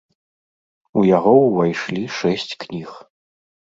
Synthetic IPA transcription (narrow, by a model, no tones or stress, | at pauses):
ujaɣɔwvajʂlʲiʂɛsʲt͡sʲknʲix